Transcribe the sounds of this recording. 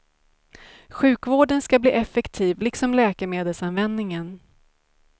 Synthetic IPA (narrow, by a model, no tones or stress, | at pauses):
ɧʉ̟ːkvoːɖənskablḭːʔɛfɛkt̪ʰiːvlɪksɔmlɛːkɛmeːd̪əlsanvɛnd̪nɪŋən